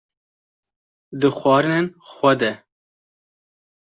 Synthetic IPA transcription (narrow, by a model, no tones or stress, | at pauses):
d̪ɨxʷɑːɾɨnenxʷɛd̪ɛ